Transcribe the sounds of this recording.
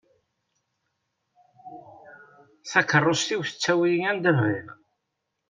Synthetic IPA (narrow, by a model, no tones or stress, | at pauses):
θækərˤːost̪iwθə̥t͡sːæwijiŋænd̪ævɾiɾ